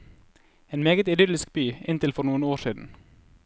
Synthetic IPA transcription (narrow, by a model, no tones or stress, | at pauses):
eːnmeːɡət̪ɪd̪ʏlɪsk̚byːɪnt̪ɪlfɔɾnuːənoːʃiːd̪n̩